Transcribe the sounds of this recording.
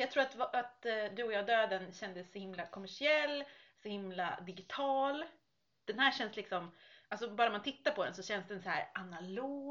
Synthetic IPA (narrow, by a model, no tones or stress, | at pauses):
jɑɡ̚t̪ʰɾuːɾat̪vat̪d̪ɵɔjɑːd̪øːd̪ənɕɛnd̪əsːɔhɪmlakʰɔmæʂɪɛlːsɔhɪmla̰d̪ɪɡɪt̪ʰɑːl | d̪̥ɛnhæːɕɛnslɪksɔmalsɔbɑːɾanmant̪ʰɪt̪ːaɾpʰɔd̪ɛ̰nsɔɕɛnːsd̪ɛnsɔhæ̰ːɾʔanaloː